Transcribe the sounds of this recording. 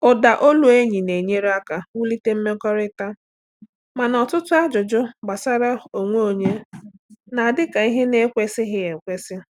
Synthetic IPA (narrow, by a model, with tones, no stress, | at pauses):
ʊ˨da˨ʔo˦lu˨e˦ɲi˨ne˨ɲe˦ɾe˦a˦ka˨wu˦li˦te˦m̩˦me˦kɔ˦ɾɪ˦ta˦ | ma˨nɔ˨tʊ˦tʊ˦a˦d͡ʒʊ˨d͡ʒʊ˦ɡ͡ba˨sa˦ɾa˦o˨ŋʷo˦o˨ɲe˦ | na˨dɪ˦ka˨i˦ɦe˦ne˦kʷe˦sɪ˦ɦɪ˦e˨kʷe˦sɪ˦